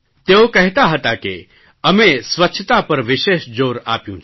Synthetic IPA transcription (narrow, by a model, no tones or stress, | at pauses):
t̪eokɛɦt̪aɦət̪ake | ɐmẽsʋətːʃʰt̪apɐɾʋɪʃeːʃd͡ʒoːɾa̰ːpjũt͡ʃʰ